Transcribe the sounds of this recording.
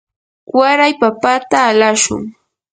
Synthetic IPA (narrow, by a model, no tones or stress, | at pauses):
waɾajpapat̪aːlaʃʊ̰ŋ